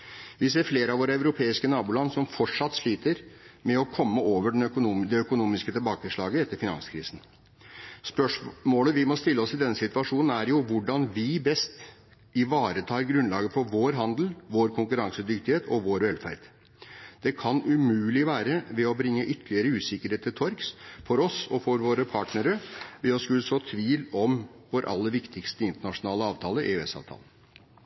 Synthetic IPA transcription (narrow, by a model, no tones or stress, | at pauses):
ʋɪseːɾfleːɾəɑʋoːɾəæʉɾʊpʰeːɪskənɑːbʊːlɑnːsɔmfɔʈʂɑt̪ːʂɭiːt̪əɾmɛɔkʰɔmːəoːʋəɖɛnœkʊːd̪ɛœkʊnuːmɪskət̪ʰɪlbɑːkəʂɭɑːɡəɛt̪ːəɾfɪnɑ̰nskʰɾḭːsn̩ | spœʂmoːləʋɪmɔst̪ɪlːəɔsɪd̪ɛnːəsɪt̪ʋɑʂuːnn̩æɾjʊʋʊɖɑnʋɪbɛst̪ | ɪʋɑːɾət̪ʰɑːɾɡɾʉnlɑːɡəfɔɾʋoːɾɦɑnd̪l̩ʋoːɾkʰʊŋkʉɾɑŋsəd̪ʏkt̪ɪheːt̪ɔʋoːɾʋɛlfæ̰ɾd̪̥ | d̪̥ɛkʰɑnʉmʉːlɪʋæːɾəʋɛɔbɾɪŋːəʔʏt̪ʰːəlɪəɾəʉːsɪkːəɾheːt̪ʰːɪt̪ʰɔɾksfɔɾɔsɔfɔɾʋoːɾəpʰɑːʈnəɾəʋɪɔskʉlsoːt̪ʰʋiːlɔmʋɔɾʔɑ̰lːəʋɪkt̪ɪkst̪əɪnt̪əɳɑʂʊnɑːləɑːʋt̪ʰɑːləʔḛːɛsɑ̰ʋt̪ʰɑ̰ːlən